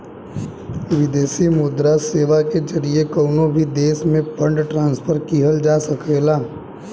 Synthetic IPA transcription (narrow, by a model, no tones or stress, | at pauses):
ʋɪd̪eːsimʊd̪ɾaseːʋaked͡ʒɐɾiekɔːnobʱid̪eːsmẽpɐ̃ɳɖʈɾãːnspʰəɾkiɦəld͡ʒaːsɐkʰeːlaː